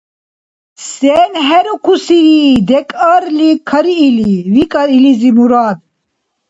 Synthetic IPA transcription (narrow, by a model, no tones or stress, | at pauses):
sɛːnɦɛɾukʰusiɾid̪ɛkʼəɾlikʰəɾiːlivikʼəɾilizimuɾaːd̪